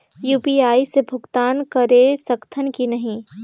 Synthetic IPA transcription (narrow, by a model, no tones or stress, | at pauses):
juːpiːaːisebʱʊkt̪aːnkɐɾesɐkt̪ʰənkinɐɦĩ